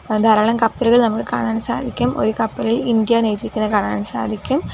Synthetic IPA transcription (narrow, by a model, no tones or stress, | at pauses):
d̪aːɾaːɭɐmkɐpːɐlɯɣɐɭnɐmɐkːɨka̰ːɳaːnsa̰ːd̪ʱikʲːɯmʔo̰ɾɯkɐpːɐlilind̪jaːnejt̪ːɾikʲːunːɐkaːɳaːnsa̰ːd̪ʱikʲːum